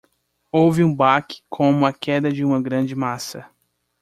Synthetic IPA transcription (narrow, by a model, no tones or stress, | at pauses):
owvɪũbakɪ̥kʰõmʊɐkɛd̪ɐd͡ʒɪũmɐɡɾɐ̃d͡ʒɪmasɐ